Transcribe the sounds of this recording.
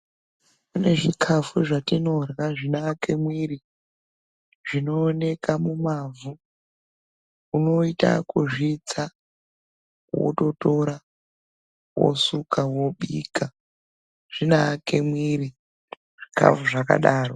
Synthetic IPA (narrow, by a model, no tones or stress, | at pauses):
kune̞ʐikʰafuʐatino̞raʐinake̞mwiɾi | ʐino̞ːne̞kamumavu | uno̞ita̰kuʐit͡sa | wo̰to̞to̞ɾa | wo̰sukawoɓiːka | ʐ̥inake̞mwiɾi | ʐ̥ika̰fuʐaka̰ɗaːro